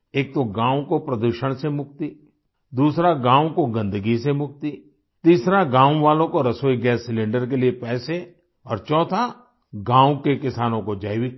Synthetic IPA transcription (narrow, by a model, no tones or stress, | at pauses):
eːk̚t̪oɡãːwkopɾəd̪uːʃəɽ̃semʊk̚t̪i | d̪uːsɾaɡãːwkoɡɐ̃nd̪əɡisemʊk̚t̪i | t̪iːsɾaɡãːwʋaːlõkoɾɐsoːiɡɛːsːɪlɪ̃ɳɖəɾk̬eliepɛːse | ɔːɾt͡ʃɔːt̪ʰa | ɡãːwkekɪsaːnõkod͡ʒaːɪwi